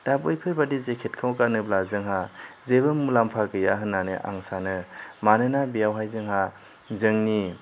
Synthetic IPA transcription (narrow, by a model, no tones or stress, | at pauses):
d̥apɯjpʰɯɾbadizekʰet̚kʰawkanɯblazɯŋɦazebɯmulampʰakɯjaɦɯnːanɯʔa̰ŋsanɯmanɯnabijawɦajzɯŋɦa | zɯŋni